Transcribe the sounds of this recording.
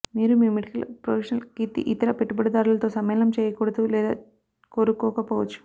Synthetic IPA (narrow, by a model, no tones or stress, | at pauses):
miːɾumiːmiɽikɐlpɾopʰeːʃɐnɐlkit̪ḭʔit̪ɐɾɐpeʈːubɐɽɐd̪aːɾulɐt̪o̞ːsɐmɛːlɐmt͡ʃɛːjɐkuːɽɐd̪ulɛːd̪a̰ː | koːɾukːɔːkɐpoːʋɐt͡ʃːu̥